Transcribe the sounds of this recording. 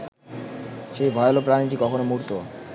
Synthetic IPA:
ʃejbʱɔeolopɾaniʈikɔkʰonomuɾt̪o

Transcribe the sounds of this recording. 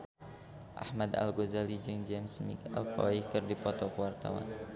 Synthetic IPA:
ʔa̰hmad̪a̰lɡozalid͡ʒɨŋd͡ʒɛmsmḭkalkɔ̰ikɨrdipɔt̪ɔkəwart̪a̰wa̰n

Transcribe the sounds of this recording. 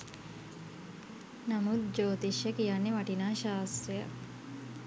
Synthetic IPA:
namut̪̚d͡ʒoːt̪iʃjəkijanːeʋaʈinaːʃaːst̪ɾejə̰

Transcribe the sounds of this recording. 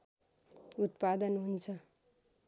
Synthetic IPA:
ut̪pad̪ʌnɦunt͡sʰʌ

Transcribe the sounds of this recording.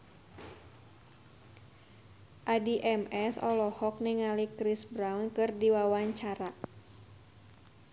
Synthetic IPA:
ʔadiʔɛmɛsɔlɔhɔk̚niŋalikɾisbɾawnkɨrdiwawaɲt͡ʃaɾa

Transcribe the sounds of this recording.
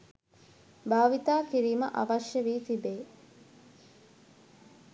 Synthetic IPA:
baːʋit̪aːkiɾiːmə̰ʔɐʋɐʃjəʋiːt̪ibeː

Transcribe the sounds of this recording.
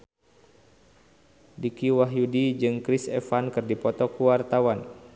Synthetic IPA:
dikiwaɦjudid͡ʒɨŋkɾisɛ̰fankɨrdipɔt̪ɔkuwart̪awan

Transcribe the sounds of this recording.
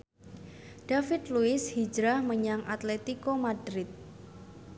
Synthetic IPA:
d̥afɪt̪̚luɪshid͡ʒɾahməɲaŋʔat̪lɛt̪ikomadɾɪt̪̚

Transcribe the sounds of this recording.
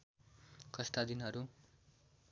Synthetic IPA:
kʌst̪ad̪inɦʌɾu

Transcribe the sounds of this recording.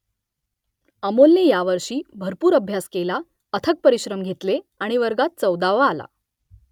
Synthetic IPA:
əmolnejaʋəɾʂiːbʱəɾpuːɾəbʱjaskela | ət̪ʰək̚pəɾiɕɾəmɡʱet̪le | aɽ̃iʋəɾɡat̪̚t͡səwd̪aʋaːla̰

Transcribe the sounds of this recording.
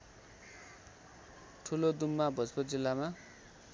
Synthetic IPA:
ʈʰulod̪umːabʱʌd͡zpod͡zilːama

